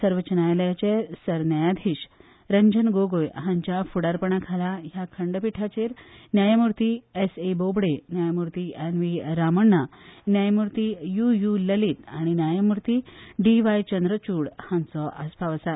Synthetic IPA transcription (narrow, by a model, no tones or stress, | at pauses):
səɾʋət͡ɕənajljat͡ɕesəɾnajad̪ʱiːɕ | ɾəɲd͡ʑənɡoɡojɦãɲt͡ɕjafuɽaɾpəɳakʰalajakʰəɳɖpiʈʰat͡ɕeɾnjajamuɾt̪iːesebobɽenjajamuɾt̪ienʋiɾaməɳːanjajmuɾt̪iːjujuləliːt̪aɽ̃injajamuɾt̪iːɖiʋajt͡ɕənd̪ɾət͡ɕuːɽhãnt͡sɔʔəspaʋəsa